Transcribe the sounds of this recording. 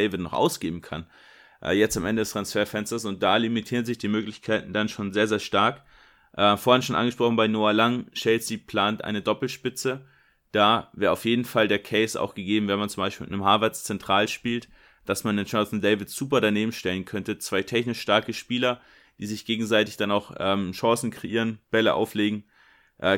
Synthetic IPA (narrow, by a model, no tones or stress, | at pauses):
ɪvɪtnɔχʔa̰ʊsɡ̥eːbm̩kʰa̰n | ʔɛ̰ːjɛt͡stamʔɛndədɛstʁ̥ansfeːɐfɛnstɐsʊnt̚d̥aːlimitʰiːʁənzɪçd̥iːmøːklɪçkʰaɪtn̩danʃoːnzeːɐzeːɐʃtaɐk | ʔɛfoːɐhɪnʃoːnʔa̰nɡəʃpʁ̥ɔχn̩baɪnoːalaŋʃɛlsipʰl̥aːntʔa̰ɪnədɔpl̩ʃpɪt͡sə | d̥aːveːɐaʊfjeːdn̩faldeːɐkʰɛɪsa̰ʊxɡ̥əɡeːbm̩vɛɐnmant͡sʊmbaɪʃpiːlɪnəmɦaːɐvɛɐst͡sɛntʁ̥aːlʃpiːlt | d̥asmanənt͡ʃasndɛɪvɪtz̥uːpɐɾaneːbm̩ʃtɛlənkʰœntət͡sv̥aɪtʰɛçnɪʃʃtaɐkəʃpiːlɐ | d̥iːzɪçɡ̥eːɡŋ̩zaɪtɪçd̥anaʊxʔɛːmʃɑːsn̩kʁ̥eʔiːʁ̞ənb̥ɛləʔa̰ʊfleːɡŋ̩ | ʔɛː